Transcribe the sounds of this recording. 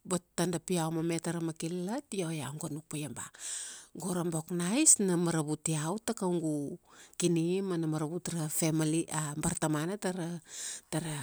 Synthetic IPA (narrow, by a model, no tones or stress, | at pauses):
botːandapiawmametaɾamakilatijojaŋɡonuk̚pajamba̰ɡoɾamboknajsnamaɾaβutiawtakawŋɡukinimanamaɾaβutɾafemaliʔambaɾtamanataɾataɾa